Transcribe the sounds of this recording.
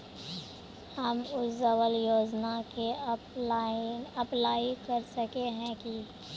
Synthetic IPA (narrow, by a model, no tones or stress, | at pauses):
hɐmʊszɐwəljoːd͡ʒnake | ɐplaːikɐɾsɐkeɦɛ̃ki